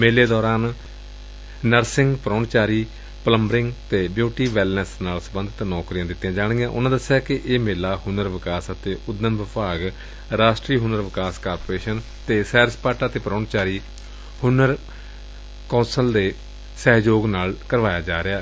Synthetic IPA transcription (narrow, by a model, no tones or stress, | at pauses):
meːleːd̪ɔːɾaːn | nəɾsɪ̃ŋɡpɾɔːɳt͡ʃaːɾiː | pələmbəɾɪŋɡt̪eːbjuːʈiːʋɛːlnəsnaːlsəbə̃nd̪t̪aːnɔːkɾijãːd̪ɪt̪ːjãːd͡ʒaːɽ̃ɡãːʔʊ̰nãːd̪əsjaːkɪʔeːmeːlaːhʊnəɾʋɪkaːsət̪eːʔʊd̪ːəmʋɪpaːɡ | ɾaːʃʈɾiːɦʊnəɾʋɪkaːskaːɾpoɾeːʃən | t̪eːsɛːɾspaːʈaːt̪eːpəɾoːɳt͡ʃaːɾiː | hʊnəɾ | kõːnsəld̪eː | sɛːɦd͡ʒoːɡnaːlkəɾʋaːjaːd͡ʒaːɾɪaː